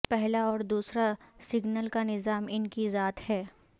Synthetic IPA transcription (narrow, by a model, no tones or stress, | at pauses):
pɛɦlaɔːɾd̪uːsɾasɪɡnəlkanɪzaːmɪnkizaːt̪hɛː